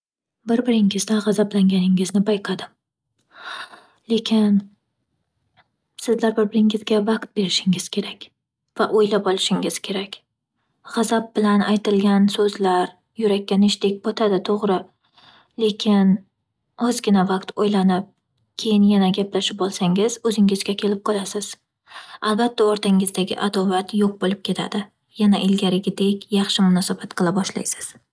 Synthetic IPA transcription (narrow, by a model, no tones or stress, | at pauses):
bɪɾbɪɾɪŋɪzd̪aʁɑzablaŋɡʲanɪŋɪznɪbajqʰɑd̪ɪm | le̞kʲʰɪn | sɪzlaɾbɪɾbɪɾɪŋɪzɡʲavɑqt̪̚be̞ɾɪʃɪŋɪz̥kʲʰe̞ɾakʲ | vaʔojlapɒlˠɪʃɪŋɪz̥kʲʰe̞ɾakʲ | ʁɑzap̚bɪlanajt̪ɪlɡʲansɵzlaɾ | jʊɾakʲːanɪʃd̪ek̚ʲbɒt̪ʰad̪ɪt̪ʰoʁɾɪ | le̞kʲʰɪn | ɒzɡʲɪnavaqt̪ojlanɪp̚ | kʲʰe̞jɪnjanaɡʲaplaʃɪp̚bolˠsaŋɪz̥ɵzɪŋɪzɡʲakʲʰe̞lɪp̚qʰɒlˠasɪz̥ | albat̪ʰːaɒɾt̪ʰaŋɪzd̪aɡʲɪ̰ʔad̪ɒvat̪ʰjoq̚bolˠɪp̚kʲʰe̞t̪ʰa̰d̪̥ɪ | janaʔɪlɡʲaɾɪɡʲɪd̪e̞kʲjɑχʃɪmʊnɒsabat̪qʰɨlˠabɒʃla̰jsɪ̥z̥